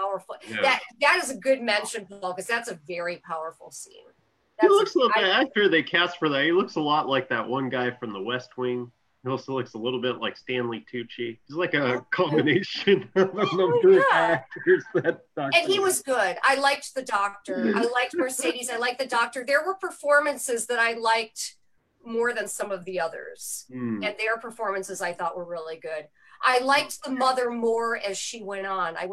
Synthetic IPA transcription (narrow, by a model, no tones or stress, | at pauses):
pʰaʊə˞fl̩ˠæðɨt̚ðɨɾɨzɨɡʊd̚mɛ̃nʃɨ̃nfolˠkʌzðætsɨvɛɹipʰaʊə˞fl̩ˠsḭ̃n | ðilʊksɪɪæɪfə˞ðeɪkʰæstfə˞ðɨt̚hilʊksəlɔʔlaɪk̚ðɨʔ̚wʌ̃nɡaɪfɹʌ̃mðəwɛst̚wɪ̃ŋ | oʊsilaɪksəlɪɾl̩ˠbɪtˡlaɪkstæ̃nlitʰʉt͡ʃihizlaɪkɨkʰɑ̃mbɨneɪʃɨ̃nɨnʌ̃məæk̚təzðæt | ʌɨ̃nhiwʌzɡʊda̰ɪlaɪk̚t̪̚ðɨdɔk̚tə˞a̰ɪlaɪk̚t̚mɔɹseɪɾizaɪlaɪk̚ðɨdɔk̚tə˞ðə˞wə˞pʰə˞fɔɹmɨ̃nsɪzðɨɾaɪlaɪk̚t̚ | mɔɹðɨ̃nsʌ̃mʌvðiʌðə̰˞z̥̩ɨ̃nðə˞pʰə˞fɔɹmɨ̃nsɨzaɪθɔʔwə˞ɹɪlˠiɡʊd̥ | ʔaɪlaɪk̚t̪̚ðəmʌðə˞mɔɹɨz̥ʃiwɛ̃ñn̩a̰ɪ